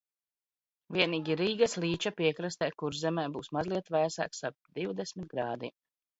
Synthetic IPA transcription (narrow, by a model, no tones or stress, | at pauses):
vʲiɛniːɡʲiɾiːɡaslˠiːt͡ʃapiɛkɾast̪ɛːkuɾzɛmɛːbuːsmazlˠiɛt̪væjsa̰ːksaɾp̚d̪iwd̪ɛsmʲit̪̚ɡɾaːd̪i